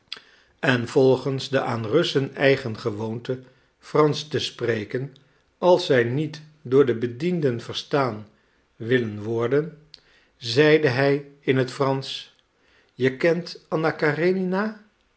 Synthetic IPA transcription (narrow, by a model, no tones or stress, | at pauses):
ɛnv̥ɔlˠχənzdəʔaːnrɵsənɛjχənχəʋowntə | frɑnstəsprejkən | ɑlˠsːɛjnit | dʊːɹdəbədindənvəɹstaːn | ʋɪlənʋɔɹdən | zɛjdəɦɛjɪnɦətfrɑns | jəkɛntɑnakarenina